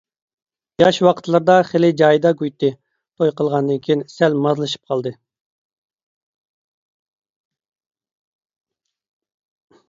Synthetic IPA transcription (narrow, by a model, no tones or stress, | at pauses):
jɑʃwɑqʰə̥t̪lˠɨɾd̪ɑχelɪd͡ʒɑːjd̪ɑɡʲujt̪ːɨ | t̪ʰojqəlˠʁɑnd̪ɨnkʲʰijinsɛlmɑzlˠɨʃi̥p̚qʰɑlˠd̪ɨ